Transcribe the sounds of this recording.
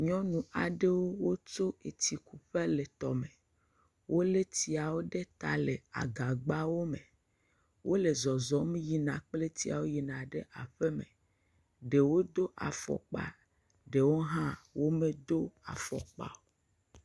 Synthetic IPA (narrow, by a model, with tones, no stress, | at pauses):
ɲɔ̃˦nũ˨ʔa˨ɖe˦wo˦wo˦t͡ʃo˦e˨t̪i˨ku˨ɸe˦le˨t̪ɔ̰˨mẽ˨ | wʔo˦le˦ti˨a˨wo˦ɖe˦t̪a˨le˨a̰˨ɡa˨ɡ͡ba˦wo˦mẽ˨ | wʔo˦le˨zɔ˨zɔ˦m̃˦ji˨nã˨k͡ple˦t̪i˦a̰˨wo˦ji˨nã˨ɖe˦ʔa˨ɸe˦mḛ̃˨ | ɖe˨wo˦d̪o˦ʔa̰˨fɔ̰˨k͡pa̰˨ | ɖe˨wo˦ɦã˦wo˦mẽ˦d̪o˦a̰˨fɔ̰˨k͡pa̰˨o˦